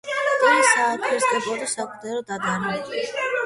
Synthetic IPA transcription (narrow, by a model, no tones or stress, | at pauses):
anisaːɾtʼʰɛsd̪ɛbʼɔd̪asakʼud̪ɛɾɔd̪ad̪aɾiɛ